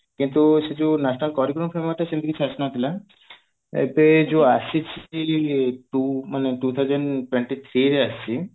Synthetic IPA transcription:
kint̪uʃed͡ʒunasɔnalkɔɾikɾɔmfʰɾemaʈ̪aʃend̪ikit͡ʃʰiasnɔt̪ʰila | ḛbed͡ʒoat͡ʃʰit͡ʃʰ | ʈumaneʈut̪ʰawd͡ʒeɳʈweɳʈit̪ʰɾiɾeast͡ʃʰi

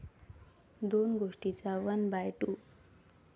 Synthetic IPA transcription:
d̪onɡoʂʈit͡sawənbajʈu

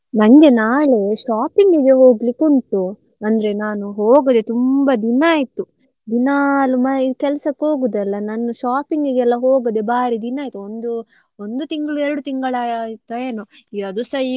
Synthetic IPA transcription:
nɐŋɡe̞naːɭe̞ʃaːpiŋɡiɡeɦoːɡlikːunt̪u | ɐnd̪ɐɾe̞naːnuɦo̞ːɡɐd̪e̞t̪umbɐd̪inːaːjit̪ːu | d̪inalumɐikɛlɐsɐkːo̞ːɡud̪ɛlːɐnɐnːuʃaːpiŋɡiɡɛlːɐɦoːɡɐd̪ebaːɾid̪inaːjt̪uond̪u | ond̪ut̪iŋɡɐɭuɛɾɐɽut̪iŋɡɐɭat̪ɐjenoiɐd̪usɐ

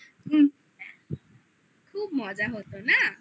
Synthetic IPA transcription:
ku | kʰuːbmɔd͡ʒaɦot̪ona

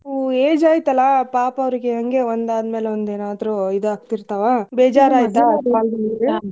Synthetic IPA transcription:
eːd͡ʒaːjit̪ɐlːɐpaːpɐʋɾiɡeɦɐŋɡe̞ond̪aːd̪meːleond̪eːnaːd̪ɾuid̪uaːɡt̪iɾt̪ɐʋabeːd͡ʒaːɾaːjt̪apaːld̪nɾe

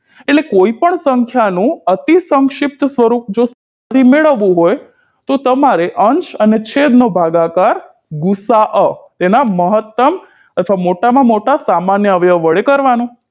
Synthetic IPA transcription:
eʈlekoipəɳsəŋkʰjanũət̪isəŋkʃɪp̚t̪sʋəɾup̚d͡ʒosaa | d̪ʰʱimeɭəʋũɦoj | t̪ot̪əmaɾeʔəɲt͡ʃənet͡ʃʰed̪nobʱaɡakaɾ | ɡusaʔət̪enaməɦət̪ːəm | ət̪ʰʋamoʈamãmoʈasamanjəʋjəʋəɭekəɾʋanũ

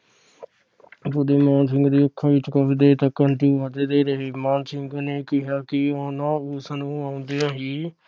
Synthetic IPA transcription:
pʊd̪eːmãːnsɪŋɡd̪iːʊkʰːãːʋɪt͡ʃkaːʋid̪eːt̪əkəɳʈiːɦəd̪eːd̪eːɾəɦeːmaːnsɪŋɡneːkɪɦaːkɪoːnãːuːsənũːãːʊ̃nd̪eːãːɦiː

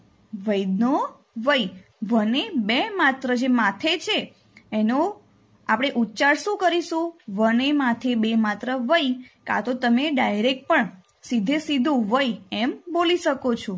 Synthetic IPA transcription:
ʋəjd̪no | ʋəj | ʋənebemat̪ɾəd͡ʒemat̪ʰet͡ʃʰeː | no | apɽ̃eʔutːt͡ʃaɽʃũkəɾiʃũʋənemat̪ʰebemat̪ɾəʋəjka̰t̪ot̪əmeɖajɾek̚ʈ̚pəɳ | sid̪ʱesid̪ʱũʋəjɛmboliʃəkot͡ʃʰũ

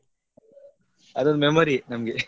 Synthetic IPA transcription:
ɐd̪onmemoɾinɐmɡe

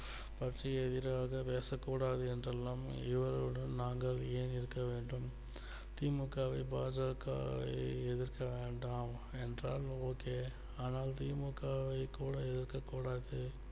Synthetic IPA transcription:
pɐʈriɛðɪɾaːɣɐpeːsɐkːuːɽaːðɯɛndrɐlːaːmɪʋɐɾɯɽɐnnaːŋɡɐɭeːnɪɾɯkːɐʋeːɳɖɯm | t̪iːmɯkːaːʋɐɪbaːd͡ʒɐkːa̰ːʋɐ̰ɪɛðɪɾkɐʋeːɳɖaːm | ɛndraːloːkeː | aːnaːlt̪iːmɯkːaːʋɐɪkuːɽɐɛðɪɾkɐkːuːɽaːðɯ

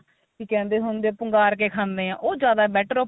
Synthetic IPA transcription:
kikɛ̃ːnd̪eːɦʊnd̪eːpəŋɡaːɾkeːkʰãːnd̪eːãːʔoːd͡ʒjaːd̪aːbɛːʈəɾo

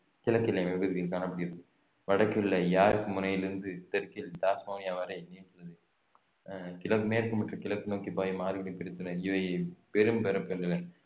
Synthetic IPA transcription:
kɪlɐkːɪlɐmɛbɯðɯkɪlkaːnɐpːɐɽɪɣɪɾɐðɯ | ʋɐɽɐkːɪɭːɐjaːɾɯkːɯmʊnɐjɪlɪɾɯnd̪ɯt̪ɛɾkɪld̪aːsmoːnɪjaːʋaːɾɐɪniːnsɐlːɐðɯ | kɪlɐkmeːɾkːɯmɐʈrɐkɪlɐkːɯnoːkipaːjimaːɾɯʋɐɽipɪɾɪt̪ːɯnɐɾɪʋɐɪpɛɾɯmpɛɾɐpːɛnɪlɐ

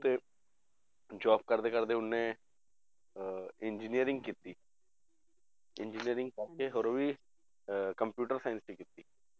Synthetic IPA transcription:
t̪eː | d͡ʒaːb̚kəɾd̪eːkəɾd̪eːʊnːẽː | ɪnd͡ʒinijəɾɪ̃ŋɡkiːt̪iː | ɪnd͡ʒiniəɾɪ̃ŋɡ̚kəɾkeːɦoːɾoːʋiː | kəmpjuːʈəɾsaːjɪnsiːkiːt̪iː

